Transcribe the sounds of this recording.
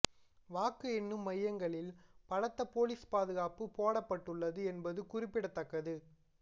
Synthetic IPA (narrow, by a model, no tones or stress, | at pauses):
ʋaːkɯɛnːɯmːɐjːɐŋɡɐɭɪlpɐɻɐt̪ːɐpoːliːspaːðɯɣaːpɯpoːɽɐpːɐʈːɯɭːɐðɯɛnbɐðɯkʊrɪpːɪɽɐt̪ːɐkːɐðɯ